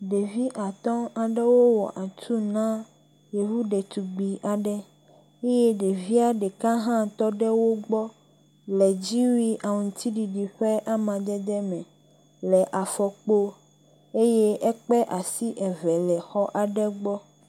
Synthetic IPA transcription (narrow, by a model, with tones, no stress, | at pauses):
ɖe˨vi˦ʔa˨t̪ɔ̃˦a˨ɖɛ˦wo˦wɔ̰˨ʔa˨t̪ʰu˦nã˦ | je˨vu˦ɖɛ˨t̪u˨ɡ͡bi˨ʔa˨ɖɛ˦ | e˦je˦ɖe˨vi˦a˦ɖɛ˨kã˦ɦã˦t̪ɔ˦ɖɛ˦wo˦ɡ͡bɔ˦ | lɛ˨d͡ʑi˦wi˦ʔa˨ŋũ˨t̪i˦ɖi˨ɖi˨ɸɛ˦ʔa˦mã˨d̪ɛ˦d̪ɛ˦mɛ̃˨ | lɛ˨ʔa˨fɔ˨k͡po˦ | e˦je˦ɛ˦k͡pɛ˦ʔa˨si˦ʔɛ˨vɛ˨lɛ˨xɔ˦ʔa˨ɖɛ˦ɡ͡bɔ˦